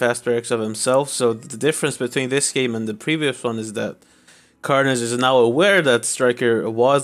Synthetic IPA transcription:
fæst̚b̥ɹɛksʌv̥hɨ̃msɛlˠfsoʊðədɪfɹɨ̃nsb̥ɨtʰw̥ĩnðɪsɡ̥ẽɪ̃mə̃nðɨpʰɹ̥iviɨswʌ̃nɨzðɨt̚ | kʰɑɹnɨzɨznaʊəwɛɹðɨtstɹ̥aɪkə˞wʌz

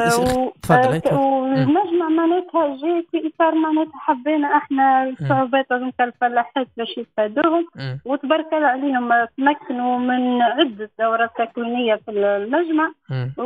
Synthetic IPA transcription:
lmæʒmaʕmaʕnɛːt̪hæʒifiʔt̪ɑɾˤmaʕnɛːt̪ħabːiːnaʔaħnæsˤːʊʕubɛːt̪ælmkælfælaħet̪̚bɛʃjətfæd̪uːhʊmwət̪bɑɾˤkalʕaliːhʊmt̪mækːnumɪnʕɪd̪ːəd̪ːawɾˤɑt̪ːaklinɪjːafillmæʒmaʕ

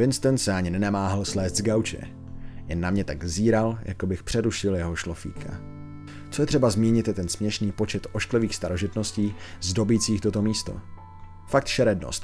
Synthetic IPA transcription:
vɪnst̪ɛnsɛaɲɪnɛnamaːɦalslɛːst̪zɡawt͡ʃɛ̰ | jɛnːamɲɛt̪aɡziːɾaljʔa̰kobɪxpr̝̥ɛɾuʃɪljɛɦo̞ʃlo̞fḭːkʰa̰ | t͡so̞jɛt̪r̝̥ɛbazmiːɲɪt̪jɛt̪ɛnsmɲɛʃniːpo̞t͡ʃɛt̪o̞ʃklɛviːxst̪aɾo̞ʒɪt̪no̞sciːzdo̞biːt͡siːxt̪o̞t̪o̞miːst̪o̞̰ | fak̚t̪ʃɛɾɛdno̰st̪

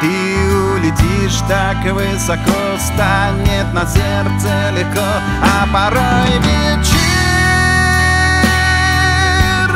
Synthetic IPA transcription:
t̪ɨ | ulʲɪtʲiʂt̪akvɨsako | st̪anʲɪt̪nɐsʲert̪səlʲɪxko | ɐpɐɾojvʲet͡ɕɪ | r

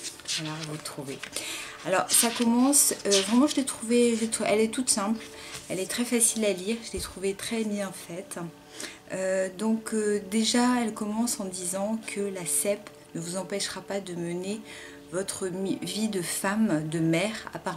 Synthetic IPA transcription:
vwalavut̪χuvealɔʁsakɔmɑ̃søvʁɛmɑ̃ʒəlɛt̪χuveʒəlɛt̪ɛlɛt̪ut̪sɛ̃plɛlɛt̪χɛfasilaliʁʒəlɛt̪χuvet̪χɛbjɛ̃fɛt̪ | ød̪ɔ̃kød̪eʒaɛlkɔmɑ̃sɑ̃d̪izɑ̃kʰəlasɛp | nəvuzɑ̃pɛʃʁapad̪əməne | vɔt̪χəvid̪əfamd̪əmɛːʁa̰paʁ

